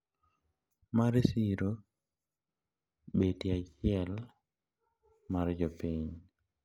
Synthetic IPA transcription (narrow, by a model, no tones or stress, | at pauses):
maɾesiɾo | betiat͡ʃɪɛl | mard͡ʒopiɲ